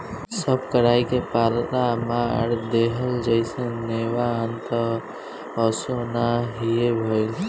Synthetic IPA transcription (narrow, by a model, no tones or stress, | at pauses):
səb̚ʱkəɾajkepalamaɾd̪eɦəld͡ʒəɪsẽnewaːnt̪ə | əsonaɦiebʱoɪl